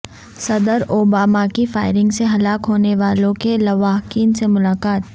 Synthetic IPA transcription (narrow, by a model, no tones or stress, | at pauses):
sɐd̪əɾoːbaːmakifaːɪɾɪ̃ŋɡseɦɐlaːkɦoːneʋaːlõkelɐʋaːɦkiːnsemʊlaːkaːt̪̚